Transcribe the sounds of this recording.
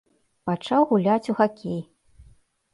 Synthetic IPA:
pat͡ʂawɣulʲat͡sʲuxakʲej

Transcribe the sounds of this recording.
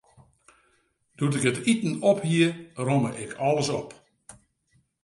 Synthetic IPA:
d̥utɪkətitn̩ɔphiəroməʔɪkʰɔlˠəsɔp

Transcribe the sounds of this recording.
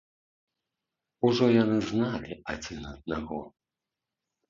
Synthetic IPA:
uʐɔjanɨznalʲiʔad͡zʲinɐd̪̚naɣɔ

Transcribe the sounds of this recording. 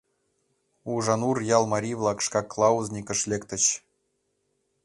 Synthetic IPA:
uʐɑnurjɑlˠmɑɾʲivlˠɑkʂkɑklˠɑuznʲikʲə̆ʂlʲekt̪ə̆ɕ

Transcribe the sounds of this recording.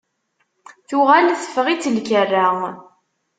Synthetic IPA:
θʊʁalθə̥fʁit͡sːəlkərːa

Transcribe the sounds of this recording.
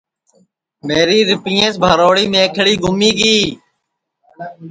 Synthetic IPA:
meːɾiːɾɪpĩːẽːsbʱaːɾoːɽiːmẽːkʰɽiːɡʊmiːɡiː

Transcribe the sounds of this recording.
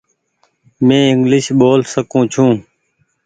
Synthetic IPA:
mẽːɪŋɡlɪʃɓoːlsəkũːt͡ʃʰũː

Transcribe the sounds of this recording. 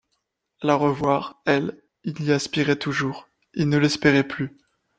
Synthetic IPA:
laʁəvwaʁɛl | iliaspiʁɛt̪uʒuːʁ | ilnəlɛspeʁɛply

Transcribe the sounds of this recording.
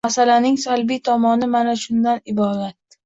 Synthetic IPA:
asalanɪŋsalbijt̪ʰɒmɒnɪmanaʃʊnd̪anɪbɒd̪at̪ː

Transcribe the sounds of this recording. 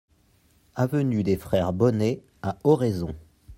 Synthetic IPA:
avənyd̪efχɛʁbɔne | aɔʁezɔ̃

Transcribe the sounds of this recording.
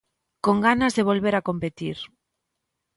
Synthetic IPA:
koŋɡanazðeβ̞olβeɾakompet̪iɾ

